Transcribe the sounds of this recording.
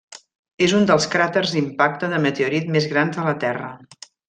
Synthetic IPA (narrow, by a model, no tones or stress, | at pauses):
ezund̪əlˠskɾat̪ərzimpak̚t̪əðəmət̪euɾit̪̚mezɣɾanzðələt̪ɛrə